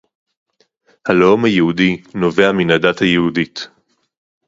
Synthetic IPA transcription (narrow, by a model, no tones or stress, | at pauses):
haleomhajehudino̞veaminadathajehudit